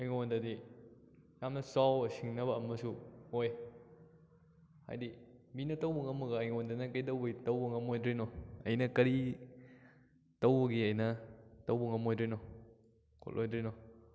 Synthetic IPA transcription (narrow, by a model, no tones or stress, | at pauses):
ɐjŋondɐdi | jamnɐsawsiŋnɐβɐːmːɐsuoj | ha̰jdibinɐtɐwbuŋɐmuɡɐːjŋondanɐkɐjdɐwbɐitɐwbɐŋɐmojdɾinɔɐjnɐkɐɾi | tɐwbɐɡiɐjnɐtɐwbuŋɐmojdɾenɔ | kʰo̰lʔojdɾenɔ